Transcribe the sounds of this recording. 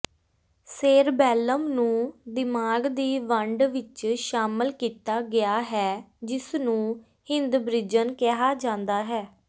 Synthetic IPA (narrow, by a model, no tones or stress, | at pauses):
seːɾbɛːləmnũːd̪ɪmaːɡd̪iːʋəɳɖʋɪt͡ʃʃaːməlkiːt̪aːɡɪaːɦɛːd͡ʒɪsnũː | hɪ̃nd̪bɾɪd͡ʒənkɛɦaːd͡ʒãːnd̪aːɦɛː